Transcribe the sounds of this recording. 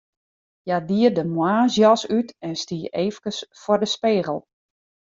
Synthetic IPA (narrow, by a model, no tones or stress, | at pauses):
jadiərdəmwaːzjɔsytɛnstiːeːfəkəsfɔrdəspeːɣəlˠ